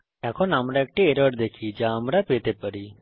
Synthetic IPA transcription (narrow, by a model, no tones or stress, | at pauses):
jaːkʰonaːmɾaeːk̚ʈeeːɾəɾd̪eːkʰid͡ʒaːmɾapeːt̪epɐɾiː